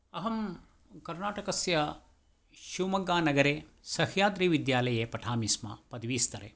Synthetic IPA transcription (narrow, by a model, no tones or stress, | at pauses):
ɐɦɐm | kɐɾnaːʈɐkɐsjɐ | ʃuʋmɐɡaːnɐɡɐɾeːsɐhjaːd̪ɾiːʋid̪jaːlɐjeːpɐʈʰaːmisma̰pɐd̪ɐʋiːst̪ɐɾḛ